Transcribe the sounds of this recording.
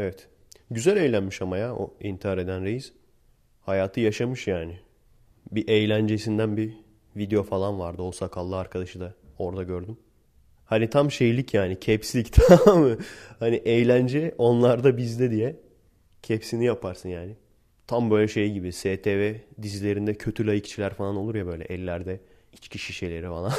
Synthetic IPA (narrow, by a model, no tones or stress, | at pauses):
evɛt̪ | ɟyzælʲe̞jlʲænmiʃamajao̰int̪ʰihaɾe̞d̪ænɾejiz̥ | hajaːt̪ʰɯjaʃamɯʃjaːnɪ | biʔejlʲænd͡ʒe̞sind̪ænbi | vid̪eo̞falˠanvaɾd̪ɯosakʰalˠːɯaɾkʰad̪aʃɯd̪ao̞ɾd̪aɟøɾd̪ym | hanit̪ʰamʃe̞jilʲicʰjaːnicʰɛpsilʲict̪ʰamɯhaniʔejlʲænd͡ʒɛʔo̞nlˠaɾd̪abizd̪ɛd̪ijɛ | cʰɛpsinijapʰaɾsɯnjaːnɪ | t̪ʰambø̞jlʲɛʃe̞jiɟibiseːt̪ʰevɛd̪izilʲe̞ɾind̪ɛcʰøt̪ʰylʲajɯct͡ʃʰilʲæɾfalˠano̞lˠuɾjabø̞jlʲɛ̰ʔɛlʲːæɾd̪ɛ | it͡ʃcʰiʃiʃe̞jlʲe̞ɾifalˠan